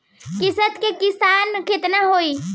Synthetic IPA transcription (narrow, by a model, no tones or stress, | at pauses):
kɪsət̪kekɪsanket̪naɦoi